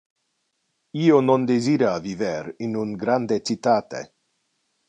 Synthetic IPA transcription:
ionond̪eziɾaviveɾinunɡɾand̪et͡ʃit̪at̪ḛ

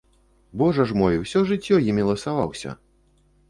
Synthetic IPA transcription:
bɔʐɐʐmɔjɛwsʲɔʐɨt͡sʲːɔjimʲilˠɐsavawsʲɐ̰

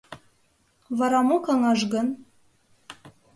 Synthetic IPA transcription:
βɑɾɑmokɑŋɑʒɣɤ̆n

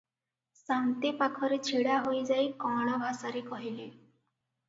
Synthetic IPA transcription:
saŋt̪epakʰɔɾet͡ʃʰiɽaɦojd͡ʒajkɔ̃ɽ̃ɔbʱasaɾekɔɦile

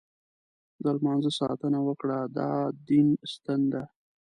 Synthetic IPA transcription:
zalmɑnzəsɑ̰t̪ənawəkɽad̪ɑ̰d̪inst̪ənd̪a

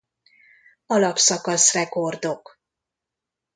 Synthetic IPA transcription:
ɒlɒpsɒkɒsrɛko̞rd̪o̞k

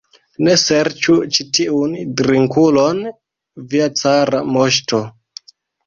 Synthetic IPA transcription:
ne̞seɾt͡ʃut͡ʃitiundɾiŋkulo̞n | viat͡saɾamoʃto

